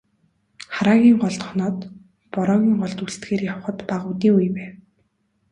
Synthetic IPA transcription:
χaɾaːɣʲiːŋɢɔɮt̪χɔnɔːt̪ | pɔɾɔːɣʲiːŋɢɔɮt̪ust̪ɡeːrjawχə̆t̪paʁʊːt̪iːujpæːw

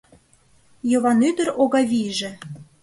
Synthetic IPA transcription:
jɤ̆βɑnyd̪ə̆ɾoɣɑvʲiʒĕ

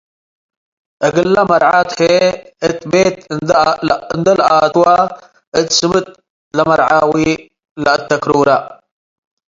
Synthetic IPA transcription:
əɡəlːamɐɾʕat̪ħe | ət̪beːt̪̚ | nd̪əlʔat̪wa | ət̪sɨmɨt̪̚ | lamɐɾʕawi | lat̪ːɐkɾuɾa

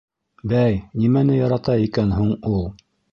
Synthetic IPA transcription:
bæjnimænɘjɑɾɑt̪ɑikænɦuɴulˠ

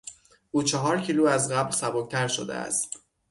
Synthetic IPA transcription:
ʔuːt͡ʃʰɒɦɒːɾcʰiːluːæzɢæblsæboc̚t̪ʰæɾʃo̰d̪ḛæ̰st̪

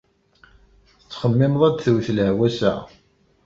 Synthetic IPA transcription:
ət͡sːχəmːɪmðˤæd̪θəwθləʕwæsæ̰

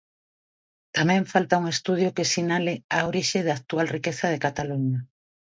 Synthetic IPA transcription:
t̪amɛ̃ɱfalt̪auŋest̪uð̞jokesinalɪaoɾiʃeðaːk̚t̪ualrikeθɐðekat̪aluɲa

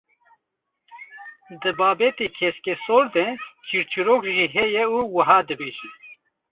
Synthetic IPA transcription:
d̪ɨbɑːbɛt̪eːkʰɛskesoːɾd̪ɛt͡ʃʰiɾt͡ʃʰɨɾoːkʒiːɦɛjɛuːwəɦɑːd̪ɨbeːʒi

